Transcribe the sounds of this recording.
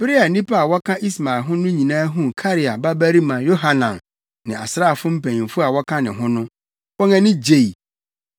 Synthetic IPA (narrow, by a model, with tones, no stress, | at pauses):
b̥ɪ˦ɾɪ˦a˨nĩ˦pʰa˦a˨wɔ˦kʰã˦ʔi˦sma˨lɦʊ̃˦nʊ̃˦ɲĩ˨nãː˦ɦũ˦kʰa˦ɾɪ˨a˨ba˦bæ˦ɾi˦mã˨jo˦ɦa˨nã˨n | nɪ̃˨a̰˨sɾaː˦˨fʊ̃˦m̩˦pʰæ̃˨ɲĩ˨nfʊ˦a˨wɔ˦kʰã˦nɪ̃˨ɦʊ̃˦nʊ̃˦ | wɔ˦ŋɛ̃˦nɪ̃˦d͡ʑe˦˨i˨